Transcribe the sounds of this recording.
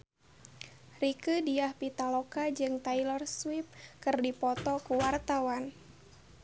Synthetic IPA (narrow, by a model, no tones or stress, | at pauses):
rikədiahpit̪alɔkad͡ʒɨŋt̪ajlɔrswip̚kɨrdipɔt̪ɔkuwart̪awan